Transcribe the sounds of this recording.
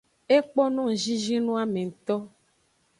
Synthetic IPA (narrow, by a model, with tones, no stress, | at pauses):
e˦k͡pɔ˦nũ˦ŋ̩˨ʒi˦ʒi˦nũ˦a˦mẽ˨ŋ̩˨t̪ɔ˦